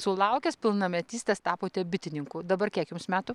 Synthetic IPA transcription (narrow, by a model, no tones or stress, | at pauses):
sʊlˠɐʊkʲɛspʲɪlˠnɐmʲɛt̪ʲiːsʲt̪ʲɛst̪ɑːpoːt̪ʲɛbʲɪt̪ʲɪnʲɪŋkuːd̪ɐbɐrkʲiɛkjʊmsmʲæːt̪ʊ